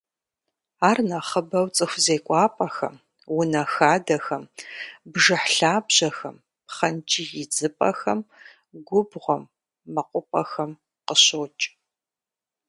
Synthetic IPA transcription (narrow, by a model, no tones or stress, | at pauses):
aːrnɐχəbɐwt͡sʼɨxʷzeːkʷʼɑːpʼɐxɐ̰m | wʊnɐxaːdɐxɐmbʒɨħɬaːbʑɐxɐm | pχɐnt͡ʃʼijɪd͡zɨpʼɐ̰xɐm | ɡʷʊbʁʷɔmː | ɐqʷʼʊpʼɐxɐm | qəɕoːt͡ʃʼ